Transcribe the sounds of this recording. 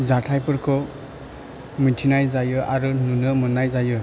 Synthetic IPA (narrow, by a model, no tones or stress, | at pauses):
zatʰajpɯɾkʰɔ | mitʰinajzajɯʔaɾununɯmɯnajzajɯ